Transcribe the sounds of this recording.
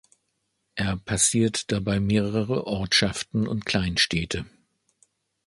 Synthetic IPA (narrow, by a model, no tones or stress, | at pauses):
ʔeːɐpʰasiːɐtd̥abaɪmeːʁəʁəʁəʔɔɐtʃaftn̩ʊ̰ntkʰl̥aɪnʃtʰɛːtʰə